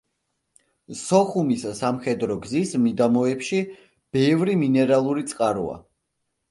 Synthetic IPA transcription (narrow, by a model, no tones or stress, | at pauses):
sɔχumissamχɛd̪ɾɔɡzismid̪amɔɛpʃi | b̥ɛvɾiminɛɾalˠuɾit̪sʼqʼaɾṵa̰